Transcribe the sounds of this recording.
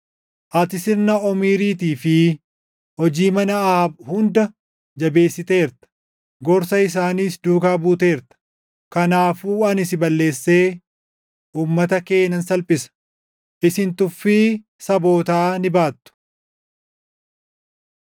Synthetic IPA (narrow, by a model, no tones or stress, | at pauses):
ʔɐt̪ɪsɪɾnɐɔmiːɾiːt̪iːfɪ | hɔd͡ʒiːmɐnɐaːbhʊnd̪ɐ | d͡ʒɐbe̞ːsːɪt̪e̞ːɾt̪ɐ̥ | ɡɔɾsɐɪs̬aːniːsd̪uːkaːbuːt̪e̞ːɾt̪ɐ̥ | kɐnaːfuːɐnɪsɪbɐlːe̞ːsːeː | uːmːɐt̪ɐke̞ːnːɐnsɐlpʼɪsɐ̥ | ʔɪsɪnt̪ʊfːiː | sɐbo̞ːt̪aːnɪbaːt̪ːʊ̥